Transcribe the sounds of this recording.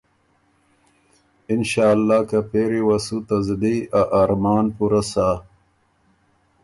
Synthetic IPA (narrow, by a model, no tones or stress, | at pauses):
inʃaːlːaːkapeːɾiwɐsut̪ɐzd̪iaʔaːɾmaːnpuɾasa